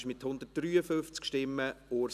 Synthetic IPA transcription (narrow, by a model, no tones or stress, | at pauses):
ʃmɪthʊnd̪ət̚d̥ɾyːəfʏft͡skʃtɪmːəoː